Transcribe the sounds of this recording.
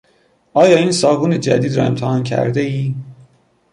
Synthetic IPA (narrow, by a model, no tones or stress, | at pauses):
ʔɒːjɒːiːnsɒːvuːne̞d͡ʒæ̰d̪iːd̪ɾɒ̰ːe̞mt̪ʰæhɒːncʰæ̰ɾd̪eiː